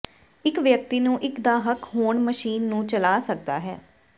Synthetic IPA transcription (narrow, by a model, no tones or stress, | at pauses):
ɪkʋjək̚t̪iːnũːʔɪkd̪aːɦəkɦoːɳməʃiːnːũːt͡ʃəlaːsək̚d̪a̰ːɦɛ̰ː